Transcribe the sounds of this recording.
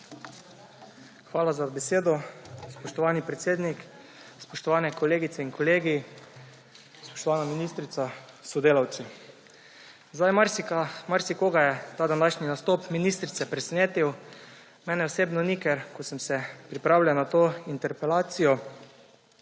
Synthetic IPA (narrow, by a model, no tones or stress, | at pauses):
xʋaːlazabɛseːd̪ɔspɔʃt̪ɔʋaːnipɾɛt̪seːd̪nik | spɔʃt̪ɔʋaːnɛkɔleːɡit̪sɛinkʰɔleːɡi | spɔ̥ʃt̪ɔʋaːnaminist̪ɾit̪a | sɔd̪eːlawt̪si | zd̪ajmaɾmaɾsikoːɡajɛt̪aːd̪anaːʃninast̪oːpminist̪ɾit̪sɛpɾɛsɛneːt̪iw | mɛːnɛɔseːbnɔnikɛɾkɔsəmsɛpɾipɾaːwlʲjanat̪oːint̪ɛɾpɛlaːt̪sijɔ